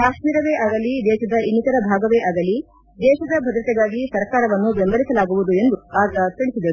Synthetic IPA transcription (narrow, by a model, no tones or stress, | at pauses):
kaːʃmiːɾɐʋeːʔaɡɐlid̪ɛːʃɐd̪ɐinːit̪ɐɾɐbʱaːɡɐʋɛːʔɐɡɐli | d̪ɛːʃɐd̪ɐbʱɐd̪ɾɐt̪ɛɡaːɡisɐɾkaːɾɐʋɐnːubembɐɾisɐlaːɡuʋud̪ue̞nd̪uaːɡ̪ɐt̪iɽisid̪e